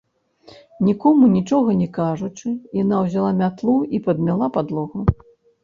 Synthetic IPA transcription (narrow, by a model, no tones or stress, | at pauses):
nʲikɔmunʲit͡ʂɔɣɐnʲɛkaʐut͡ʂɨjanawzʲalˠamʲat̪lˠuipɐd̪̚mʲalˠapad̪lˠɔɣu